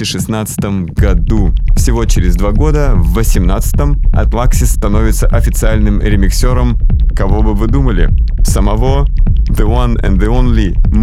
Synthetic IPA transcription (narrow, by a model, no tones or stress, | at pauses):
ɪʂɨsnat̪sɨ̥t̪əm | ɡɐd̪ufsʲɪvo̞t͡ɕɪɾʲɪzd̪vaɡo̞d̪əvːəsʲɪmnat̪sɨ̥t̪əmɐ̰t̪lˠaksʲɪst̪ɐno̞vʲɪt̪səʔɐfʲɪt̪sɨalʲnɨmɾʲɪmʲɪksʲoɾəmkɐvo̞bɨvɨd̪uməlʲɪ̰səmɐvoðɨwanɛ̰nðɨonlʲɪm